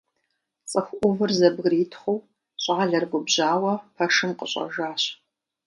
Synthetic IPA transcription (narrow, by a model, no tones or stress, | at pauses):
t͡sʼəxʷʔʷʊvɨrzɐbɣritʰχʷʊw | ɕʼaːɮɐrɡʷʊbʑaːwɐpʰɐʂɨmqəɕʼɐ̰ʒaːɕ